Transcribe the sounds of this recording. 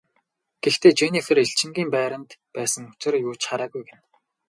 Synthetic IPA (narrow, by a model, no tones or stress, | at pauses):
ɡ̥ext̪ʰeːt͡ɕenixɘ̆ɾeɬt͡ɕɪ̆ŋɡʲiːmpæːɾə̆nt̪pæːsə̆ŋʊt͡sɪ̆rjʊːt͡ɕχaɾaːɣujɡen